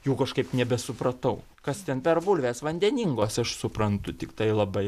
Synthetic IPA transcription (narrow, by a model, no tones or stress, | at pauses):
juːkɐʃkɐɪpnʲɛbʲɛsʊpɾɐt̪ɐʊ | kɐst̪ʲɛnpʲɛrbʊlʲʋʲeːsʋɐnʲd̪ʲɛnʲiŋɡoːsɐʃsʊpɾɐnt̪ʊt̪ʲɪkt̪ɐɪlˠɐbɐɪ